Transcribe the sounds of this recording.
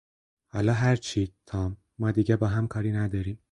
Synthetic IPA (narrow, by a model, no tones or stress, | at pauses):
hɒ̰ːlɒːɦæɾt͡ʃʰiːt̪ʰɒːmːɒːd̪iːɟɛbɒːɦæmkʰɒːɾiːnæd̪ɒːɾiːm